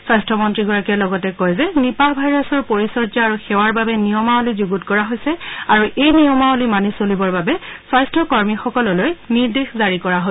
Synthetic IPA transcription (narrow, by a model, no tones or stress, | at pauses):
swajstʰɔmɔntɹiɡɔɹakɛlɔɡɔtɛkɔjzɛnipabʱajɹasɔɹpoɹisɔɹd͡ʒɔaɹuxɛwaɹbabɛnijɔmaolizuɡutkɔɹaɦojsɛaɹuʔejnijɔmaolimanisolibɔɹbabɛswajstʰɔkɔɹmixɔkɔlɔlojniɹdexzaɹikɔɹaɦo